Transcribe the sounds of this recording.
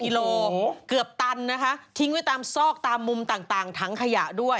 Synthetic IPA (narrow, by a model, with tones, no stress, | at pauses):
ki˧loː˧kɯ˨˩əp̚t̪a˧nːa˦˥kʰa˦˥ʔt̪ʰi˧˥ŋwa˥˩jt̪aː˧msɔː˥˩k̚t̪aː˧mːu˧mt̪aː˨˩ŋt̪aː˨˩ŋt̪ʰa˦˥ŋkʰa˧ja˨˩ʔdu˥˩əj